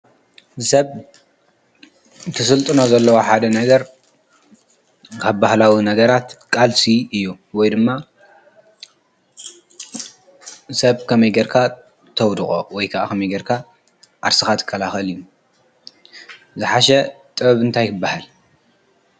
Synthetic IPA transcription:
sɐβ | t̪ʰɨsɨlt̪ʼɨno̞zɐlːɐwoħad̪ɐnɐɡɐɾ | kʰaβbahlawinɐɡɐɾat̪kʼalsiɨjːuwɔjd̪ɨmːa | sɐβkʰɐmɐjɡeɾkʰa | t̪ʰɐwd̪χʼo̞̰wɔjkʰaʔakʰɐmɐjɡeɾkʰa | ʔa̰ɾsɨxat̪ʰɨ̥kʰʼːɐlaxɐlɨjːu | zɨħaʃɐ | t̪ʼɨβɐβɨnt̪ʰajkʰɨbːahal

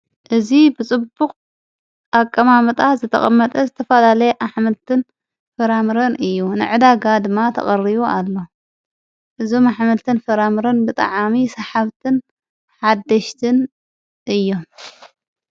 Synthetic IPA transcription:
ʔɨzibɨt͡sʼɨbːuqʼ | ʔakʼːɐmamɐt̪ʼazɨt̪ʰɐ̰χʼɐmːɐt̪ʼɐzɨt̪ʰɐfɐlalɐjeʔaħmɐlt̪ʰɨn | fɐɾamɨɾɐnɨjːunɨ̰ʕɨd̪aɡad̪ɨmːat̪ʰɐ̰χʼɐriβualːo̞ | ʔɨzo̞maħmɐlt̪ʰɨnfɐɾamɨɾɐnbɨt̪ʼa̰ʕamisɐħaβt̪ʰɨn | ħad̪ːɐʃt̪ʰɨn | ʔɨjːo̞m

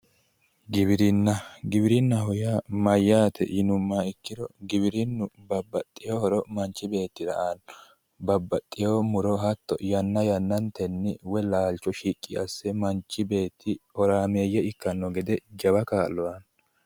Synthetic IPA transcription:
ɡɪβɪɾɪnːɐɡɪbɪɾɪnːɐɦɔjaːmɐjːaːt̪ʰɛ̰jɪnʊmːaːɪkːɪd̪ɔɡɪbɪɾɪnːʊbɐbːɐt̪ʼːɪjoːhɔɾɔmɐnt͡ʃːɪbe̞ːt̪ːɪɾɐ̰ʔaːn | bɐbːɐt̪ʼːɪjoːmʊɾɔɦɐt̪ːɔ̰jɐnːɐjɐnːɐnt̪ɛnːɪwɛlaːlt͡ʃːɔʃiːkʼːɪɐsːɛmɐnt͡ʃːɪbe̞ːt̪ʰːɪɔɾaːmeːjːɛɪkːɐnːɔɡɛd̪ɛd͡ʒɐbɐkaːlːɔwɐn

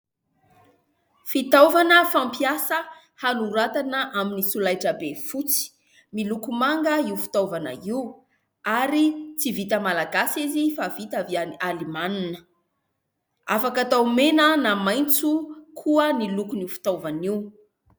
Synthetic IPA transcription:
fit̪awvanəfampiasə | hanuɾat̪anəʔaminisulajʈ͡ʂəbefut͡si̥ | milukumaŋɡəiufi̥t̪avanə̰iw | aɾit͡sivit̪əmalaɡasizifavit̪aviaalimanunə | a̰fakat̪awmenənamajnt͡sukʰuənilukunifi̥t̪owvaniw

